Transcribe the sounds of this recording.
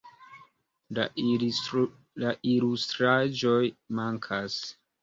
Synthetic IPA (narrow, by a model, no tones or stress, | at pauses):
laʔilust̪ɾad͡ʒo̞jmaŋkʰas